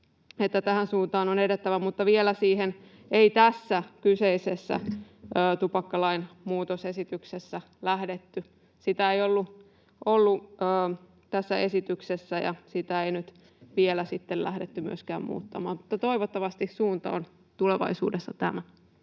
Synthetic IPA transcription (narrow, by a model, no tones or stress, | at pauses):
et̪ːæt̪æhænsuːnt̪ɑːnonedet̪ːæʋæmut̪ːɑʋielæsiːhen | eit̪æsːækyseisesːæ̰əːt̪upɑkːɑlɑinmuːt̪osesit̪yksesːæ | læhdet̪ːy | sit̪æejolːu | ʔolːuəː | t̪æsːæesit̪yksesːæjɑ̰sit̪æeinyt̪ | ʋielæsit̪ːellæ̰hdet̪ːymy̰øskæːmmṵːt̪ːɑmɑ̰ːmmut̪ːɑt̪o̞iʋot̪ːɑʋɑst̪issuːnt̪ɑon | t̪uleʋɑ̰isṵːdesːɑt̪æmæ